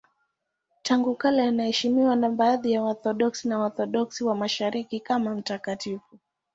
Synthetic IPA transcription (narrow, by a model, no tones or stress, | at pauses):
tʰaŋɡukalajanahɛʃimiwanaɓaːðijaɔθɔɗɔksinawɔθɔɗɔksiwamaʃaɾikikamam̩takatifu